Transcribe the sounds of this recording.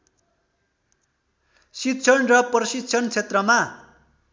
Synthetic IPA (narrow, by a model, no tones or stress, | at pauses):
sit̪t͡sʰʌnrʌprʌsit̪t͡sʰʌnt͡sʰet̪rʌma